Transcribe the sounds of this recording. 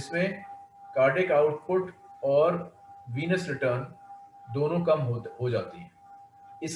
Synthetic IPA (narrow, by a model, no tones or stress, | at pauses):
ɪsmẽkaːɾɖekaʊʈ̚pʊʈɔːɾʋiːnəsɾɪʈəɾnd̪oːnõkɐmɦɦod͡ʒaːt̪iɦɛ̃ː | ɪs